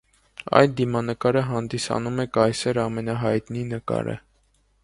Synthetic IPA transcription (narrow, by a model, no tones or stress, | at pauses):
ɑ̰jld̪imɑnəkɑɾəɦɑnd̪isɑ̰numɛkɑjsɛɾɑmɛnɑɦɑjt̪ninəkɑ̰ɾə̰